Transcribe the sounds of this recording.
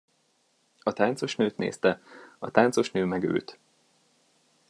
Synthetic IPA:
ɒt̪aːnso̞ʃnøːt̪nḛːst̪ɛɒt̪aːntso̞ʃnøːmɛɡø̰ːt̪

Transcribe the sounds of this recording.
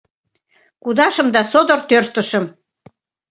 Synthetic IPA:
kud̪ɑʃə̆md̪ɑsod̪ort̪ørt̪ə̆ʃə̆m

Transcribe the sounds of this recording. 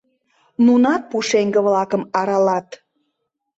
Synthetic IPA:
nunɑt̪̚puʃeŋɡə̆βlɑkə̆mɑɾɑlɑt̪

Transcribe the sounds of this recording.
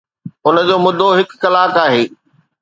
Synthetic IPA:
ʊnəd͡ʑoːmʊd̪ʱːoɦɪkːɐlaːkaːɦeː

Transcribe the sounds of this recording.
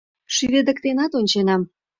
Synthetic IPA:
ʃyved̪ə̆kt̪enɑt̪onʲt͡ɕenɑm

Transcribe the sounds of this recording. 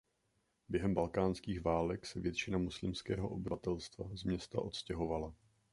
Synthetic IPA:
bjɛɦɛmbalkaːnskiːxvaːlɛksɛvjɛt̪t͡ʃɪnamoslɪmskɛ̰ːɦo̞ʔo̞bɪvat̪ɛlst̪va̰zmɲɛst̪a̰ʔo̞t̪scɛɦo̞vala

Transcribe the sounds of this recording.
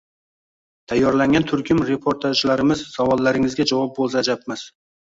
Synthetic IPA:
t̪ʰajːɒɾlaŋɡʲant̪ʰʊɾkʲʰɪmɾe̞pʰoɾt̪ʰaʒlaɾɪmɪzsavɒlˠːaɾɪŋɪzɡʲad͡ʒɒvɒp̚bolˠsaːd͡ʒap̚mɪz̥

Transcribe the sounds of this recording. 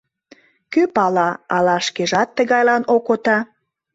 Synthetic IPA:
køpɑlɑɑlɑʃkeʒɑt̪ːə̆ɣɑjlɑnokot̪ɑ

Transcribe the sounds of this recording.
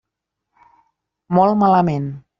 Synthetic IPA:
mɔlˠmaləmen

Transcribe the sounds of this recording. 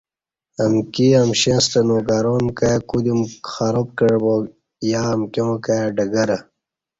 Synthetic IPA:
ɐmkiɐmɕẽːst̪ɐnoɡaɾoːnkajakud̪imxaɾop̚kəɻbo | jaːmkemokajaɖɐɡɐɾɐ

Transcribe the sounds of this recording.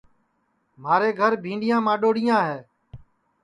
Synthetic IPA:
maːɾeːɡʱəɾbʱĩːɳɖɪjãːmãːɗoːɽɪjãːɦeː

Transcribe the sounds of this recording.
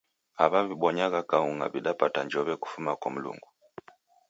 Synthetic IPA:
aβaβiɓɔɲaɣakauŋa̰viɗapataɲd͡ʒɔβɛku̥fumakwam̩lṵŋɡu

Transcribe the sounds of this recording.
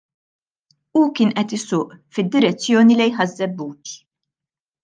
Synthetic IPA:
ukɪːnʔɛt̪ɪsʊːʔfɪd̪ːɪɾɛt͡sːjɔːnilɛjħɐzːɛbːuːt̪

